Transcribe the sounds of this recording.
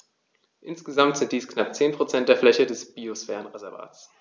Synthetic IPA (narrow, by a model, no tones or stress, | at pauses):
ʔɪnsɡ̥əzamtz̥ɪntd̥iːsknap̚t͡seːnpʁ̥ot͡sɛnt̚d̥eːɐflɛçədɛsb̥iːosfɛːʁənʁezɛɐva̰ːtt͡s